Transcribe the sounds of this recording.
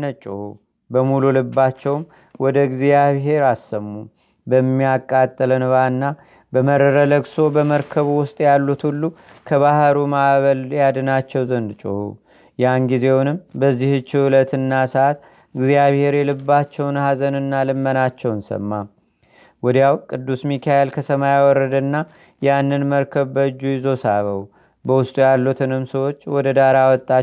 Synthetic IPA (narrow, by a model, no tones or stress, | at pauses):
nət͡ʃʼɨu | bəmululɨbːat͡ʃːɛwm | wɔd̪əɡzijaβɦe̞ɾasːəmːu | bəmːijakʼːat̪ʼːələnβanːa | bəməɾəɾələɡso̞bəməɾkʰəβwʊst̪ʼjalːut̪ʰulːu | kʰəβahɾumaβəljad̪ɨnat͡ʃːɛwzənd̪t͡ʃʼuhṵ | janɡize̞wnɨmbəzːihɨt͡ʃːulət̪ʰɨnːasəat̪ | ɨɡzijaβhe̞ɾjɛlɨbːat͡ʃːɛwnhazənɨnːalɨmːənat͡ʃːɛwnsə̰mːa | wɔd̪jawkʼɨd̪ːusmikʰaelkʰəsəmajawɔɾːəd̪nːa | janːɨnməɾkʰəβbəd͡ʒːujɪzo̞saβə̰w | bəwʊst̪ʼujalːut̪ʰɨnɨmsəwo̞t͡ʃːwɔd̪əd̪aɾawɔt̪ʼːa